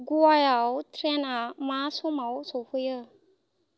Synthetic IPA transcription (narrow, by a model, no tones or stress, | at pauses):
ɡuajawtʰɾenamasumawsɔhɯjɯ